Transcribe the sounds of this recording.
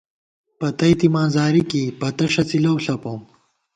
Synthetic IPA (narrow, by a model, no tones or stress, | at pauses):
pɐt̪ɐjt̪imãːnzaːɾikipɐt̪ɐʂɐt͡silɐwɬɐpoːm